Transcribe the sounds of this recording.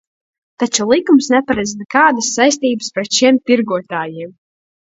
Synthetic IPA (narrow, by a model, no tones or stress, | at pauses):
t̪at͡ʃulˠikumsnɛpaɾɛd̪znɛkaːd̪asːajst̪iːbɨspɾɛt̪ʃiɛmp̪iɾɡuɔt̪aːjiɛm